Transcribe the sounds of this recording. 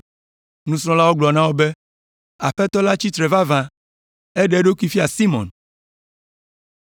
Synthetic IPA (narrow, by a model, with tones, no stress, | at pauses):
nũ˦sɾ̃ɔ̃˦la˦wo˦ɡ͡blɔ˨nã˦wo˦be˦ | a˨ɸɛ˦t̪ɔ˦la˦t͡ɕi˦t̪ɾɛ˨va˦vã˦ | e˦ɖe˨˦ɖo˦ki˦fi˦a˨si˦mɔ̰̃˨n